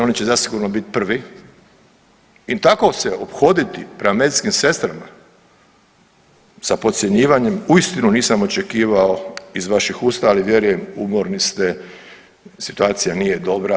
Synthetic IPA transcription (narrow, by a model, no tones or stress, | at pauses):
o̞nit͡ɕe̞zasiɡuɾno̞bit̪i̥pr̩ʋi | it̪ako̞seɛopxo̞d̪it̪ipɾemame̞d̪itskimse̞st̪ɾama | sapo̞t̪sʲje̞ɲiːʋaɲe̞muist̪inuniːsamo̞t͡ʃe̞kiːʋaoizʋaʃixuːst̪aaliʋje̞ɾuje̞mumo̞ɾnist̪e | si̥t̪uaːt̪sijaniːjed̪o̞bɾa